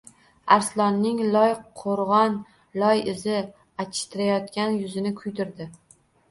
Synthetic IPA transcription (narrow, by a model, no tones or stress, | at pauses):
aɾslˠɒnːɪŋlˠɒjʰoɾʁɒn | lɒjɪzɪ | at͡ʃʰɪ̥ʃt̪ɪɾajɒt̪kʲanjʊzɪnɪkʰʊjd̪ɪɾd̪ɪ